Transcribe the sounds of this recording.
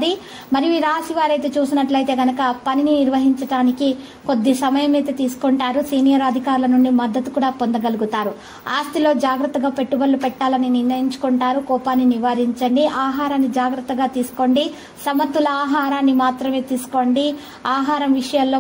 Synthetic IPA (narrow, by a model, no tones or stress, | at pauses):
d̪i | mɐɾiʋiːɾaːsiʋaːɾɐjt̪e̞ːt͡ʃuːsinɐʈlɐjt̪e̞ːɡɐnɐkɐpɐnininiɾʋɐɦiɲt͡ʃɐʈaːniki | kod̪ːisɐmɐjɐmeːt̪ɐt̪iːsu̥koɳʈaːɾusiːnijɐɾɐd̪ʱikaːɾulɐnuɳɖimɐd̪ːɐt̪u̥kuːɽaːpond̪ɐɡɐluɡut̪aːɾu | aːst̪ilo̞ːd͡ʒaːɡɾɐt̪ːɐɡaːpe̞ʈːubɐlːupɛʈːaːlɐniniɾnɐjiɲt͡ʃu̥kuɳʈaːɾukɔːpaːnːiniʋaːɾiɲt͡ʃɐɳɖiʔaːɦaːɾaːnːid͡ʒaːɡɾɐt̪ːɐɡaːt̪iːsu̥ko̞ːɳɖi | sɐmɐt̪ːulɐaːɦaːɾaːnːimaːt̪ɾɐme̞ːt̪iːsu̥ko̞ːɳɖi | aːɦaːɾɐmʋiʂɐjɐllo̞ː